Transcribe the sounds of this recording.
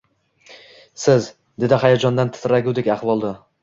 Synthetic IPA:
sɪz | d̪ed̪ɪχajad͡ʒɒnd̪ant̪ʰɪ̥t̪ʰɾaɡʲud̪ɪkʲaχvɒlˠd̪a

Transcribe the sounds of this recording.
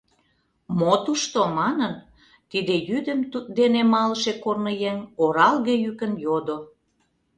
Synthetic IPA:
mot̪uʃt̪omɑnən | t̪id̪ejyd̪ə̆mt̪ut̪̚d̪enemɑləʃekornəjeŋoɾɑlɣejykə̆njod̪o

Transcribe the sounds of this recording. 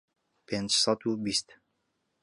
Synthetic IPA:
pʰend͡ʒsɑd̪ubist̪

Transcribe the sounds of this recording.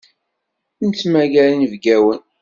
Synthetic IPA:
nt͡sːmæɡælinvɡæwən

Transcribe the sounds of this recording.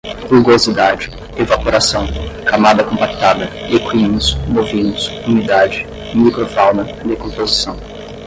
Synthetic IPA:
χuɡozid̪ad͡ʒɪ | evapoɾasɐ̃w̃kamad̪ɐkõpakt̪ad̪ɐekwĩnʊsmovĩnʊsunid̪ad͡ʒɪ | mikɾofawnɐ | d̪ekõpozisɐ̃w̃

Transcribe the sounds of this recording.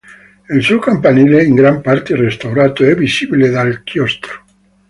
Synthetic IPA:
elsukampanileiŋɡɾampaɾt̪erest̪awɾat̪oɛbisibiled̪alkjɔst̪ɾo̥

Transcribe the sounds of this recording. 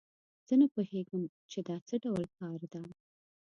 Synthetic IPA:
z̥ənapoheɡəm | t͡ʃed̪ɑt͡səɖawlkɑɾd̪a

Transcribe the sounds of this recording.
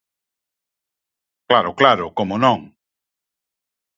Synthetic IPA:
klaɾʊklaɾʊkomonõŋ

